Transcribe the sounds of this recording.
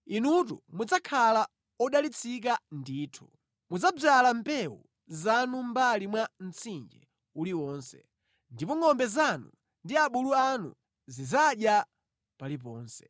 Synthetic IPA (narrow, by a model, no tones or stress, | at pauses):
inutṵmud͡zakʰala | ɔɗalit͡sʰik̬andiːtʰu | mud͡zab͡ʐalampɛwṵ | zanumbalimwan̩t͡sʰind͡ʒɛ | uliwɔːnsɛ̰ | ndipɔŋɔmbɛzanṵ | ndiaɓuluanṵ | zizaɗja | palip̬ɔːnsɛ̥